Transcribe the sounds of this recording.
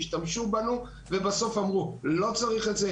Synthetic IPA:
ʃtamʃubanu | vebaso̞famʁulo̞t͡saʁiχetze

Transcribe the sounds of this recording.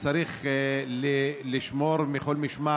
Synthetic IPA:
t͡saɾiχleliʃmo̞ɾmiχo̞lmiʃma

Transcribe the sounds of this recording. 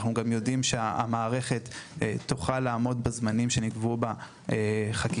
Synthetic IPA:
χnuɡamjo̞dimʃea̰maːʁe̞χe̞t̪ːtːoχalaːmo̞dbezmanimʃe̞niɡvuba | eχak

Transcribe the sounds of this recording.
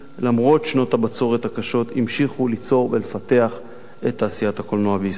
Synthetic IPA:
lamʁo̞tʃno̞thabat͡so̞ʁet̪hakaʃo̞t̪imʃiχulit͡so̞ʁvelefat̪e̞aχ | et̪ːaːsijathakolnoabeis

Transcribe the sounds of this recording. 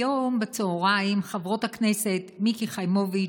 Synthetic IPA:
ombet͡seoʁaimχavʁo̞thaknesetmikiχajmovi

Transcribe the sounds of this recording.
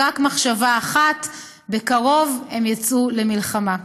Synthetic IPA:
akmaχʃavaːχat̪ | bekaʁo̞vemjat͡sulemilχama

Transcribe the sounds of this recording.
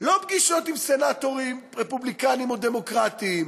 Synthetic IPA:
lo̞bɡiʃo̞t̪imsenat̪oʁimʁepublikanimod̪e̞mo̞kʁat̪iːm

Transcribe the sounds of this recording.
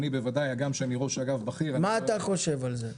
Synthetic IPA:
nibevad̪ajaɡamʃeaniʁoʃaɡavbaχiʁamaːt̪aχo̞ʃe̞valze

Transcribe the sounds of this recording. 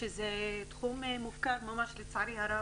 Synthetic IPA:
ezet̪χummufkaɾmamaʃlet͡saʕɾihaɾa

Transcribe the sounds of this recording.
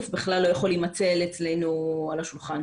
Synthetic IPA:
fbeχlalːo̞jaχo̞limat͡se̞let͡slejnualaʃulχan

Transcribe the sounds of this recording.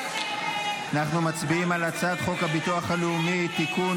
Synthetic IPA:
anaχnumat͡sbiimalat͡sat̪χo̞khabit̪uaχaleumit̪iku

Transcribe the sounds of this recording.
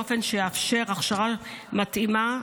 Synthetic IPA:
ofe̞nʃejafʃe̞ʁaχʃaʁamat̪ima

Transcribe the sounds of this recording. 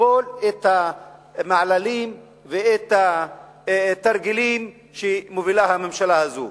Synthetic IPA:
olet̪hamaʕlalim | veet̪a | t̪aɾɡilim | ʃemovilahamemʃalahazo̰

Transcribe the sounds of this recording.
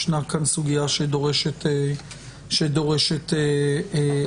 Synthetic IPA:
ʃnakansuɡijaʃedo̞ʁeʃet̪e | ʃed̪o̞ʁeʃet̪e

